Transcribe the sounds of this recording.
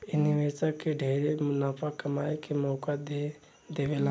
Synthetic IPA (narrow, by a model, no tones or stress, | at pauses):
ɪniʋesakeɖʱeːɾemʊnaːpʰakɐmaːekemɔːkad̪e | d̪eːʋela